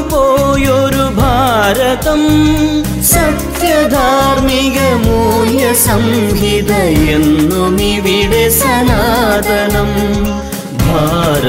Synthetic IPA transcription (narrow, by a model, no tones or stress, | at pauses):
poːjoːɾubʱaːɾɐt̪ɐm | sɐkɾjɐd̪ʱaːɾmiɡɐmuːjɐsɐmɦid̪ɐjend̪uniʋiɽesɐnad̪ɐnɐm | bʱaːɾ